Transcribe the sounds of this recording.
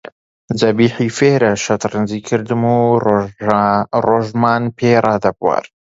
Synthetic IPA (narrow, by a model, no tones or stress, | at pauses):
zɐbiːħifeːɾɐʃɐt̪ɾɨnziːkʰɨɾd̪ɨmu | roːʒmaːnpʰerɑːd̪ɐbwa̰ːɾ